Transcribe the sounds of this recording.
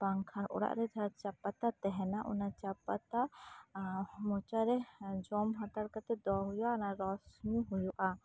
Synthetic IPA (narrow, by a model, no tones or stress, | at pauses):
baŋkʰanʔɔ̰ɽa̰ʔɾɛd͡ʒʱat͡ʃapat̪at̪ɛɦɛnaʔɔ̰nat͡ʃapat̪a | mɔt͡ʃaɾɛd͡ʒɔmɦãt̪aɽkat̪ɛd̪ɔɦujuʔanaɾɔsmiɦujuʔa